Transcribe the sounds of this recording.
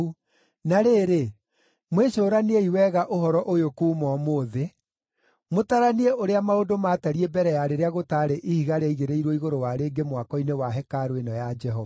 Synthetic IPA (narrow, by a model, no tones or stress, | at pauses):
u | naɾeːɾe | mweɕoːɾaneeiwɛɣaʔoɦɔɾɔʔojokuːmɔmoðe | motaɾanieoɾeamaodomataɾiebɛɾɛjaɾeɾeaɣotaːɾeʔihiɣaɾeiɣeɾeiɾwoiɣoɾowaɾeːɡemwakɔinewaɦɛkaɾoenɔjad͡ʒɛɦɔva